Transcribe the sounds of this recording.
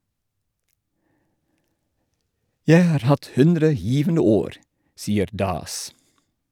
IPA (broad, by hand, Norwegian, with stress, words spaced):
ˈjæɪ ˈhɑːɾ ˈhɑt ˈhʉndɾə ˈjiːʋənə ˈoːɾ ˈsiːəɾ ˈdɑːs